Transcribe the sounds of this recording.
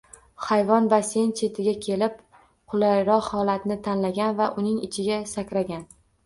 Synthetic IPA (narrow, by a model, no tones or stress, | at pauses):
χajvɒnbase̞nt͡ʃʰe̞t̪ʰɪɡʲakʲʰe̞lɪp̚ | qʰʊlˠajɾɒqhɒlat̪nɪt̪ʰanlaɡʲanvaʔʊnɪŋɪt͡ʃʰɪɡʲasakʲɾaɡʲan